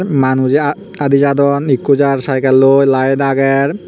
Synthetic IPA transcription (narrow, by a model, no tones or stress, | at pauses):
manud͡ʑe | ad̪id͡ʑad̪ɔnikːod͡ʑaɾsajkalːojlajed̪aɡɛɾ